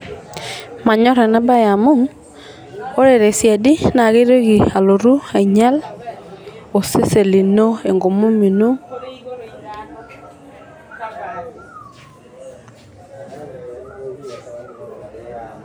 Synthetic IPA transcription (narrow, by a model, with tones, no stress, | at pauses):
ma˨ɲɔ˦ɾɛ˨na˦ba˦ja˨mo˦ŋ | o˦ɾe˨ɾe˨sja˨di˦na˨ɣe˦ɾo˦ɣi˨a˨lo˨ɾu˦a˨i˨ɲa˦l | o˨se˦se˨li˨no˦e˨ŋɡo˨mu˦mi˨nu˦